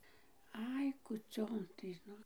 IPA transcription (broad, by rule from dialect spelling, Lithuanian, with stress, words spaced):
ˈɐɪ kuːˈt͡sʲoːn tɐɪ ˈnʊ